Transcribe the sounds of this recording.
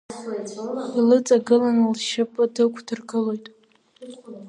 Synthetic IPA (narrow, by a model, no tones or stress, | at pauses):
ilɨt͡sʼaɡɨlanɨlʃapʼɨdɨkʷʰdɨrɡɨlojtʼ